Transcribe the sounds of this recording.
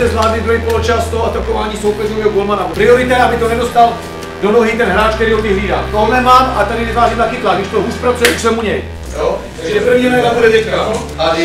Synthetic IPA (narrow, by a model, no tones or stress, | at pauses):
ɛzvlaːdmɪd̪uɦikolot͡ʃast̪oʔat̪akovaːɲiːsowpɛzovɛɦoɡolmanappɾɪoɾɪt̪ɛʔabɪt̪onɛdost̪al | donoɦɪt̪ɛnɦɾaːt͡ʃk̚t̪ɛɾiːɦovɪɦliːda̰ːmt̪onɛmaːmat̪adɪvɪvaːʒiːmt̪akiːt̪laɡ̪dɪʃt̪oɦuːspɾat͡sujɛksɛmuɲɛj | ɛpɾrvɲiːɾajd̪abudɛdɛa